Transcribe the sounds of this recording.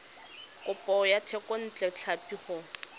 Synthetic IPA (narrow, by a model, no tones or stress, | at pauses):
kʊpʼɔjatʰɛkɔn̩t͡ɬʼɛt͡ɬʰapiχʊ